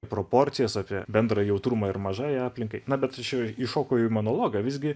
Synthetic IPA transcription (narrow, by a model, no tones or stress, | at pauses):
pɾoːpoːɾʲt̪sʲɪjɛsɑːpʲiɛbʲɛnd̪ɾɐjɛʊt̪ɾumɐɪrmɐʒɑːjɑːpʲlʲɪŋkɐɪnɐbʲɛt̪t͡ʃʲɛɪʃoːkoːjɛʊɪmonoːlˠoːɡɐʋʲɪzʲɡʲɪ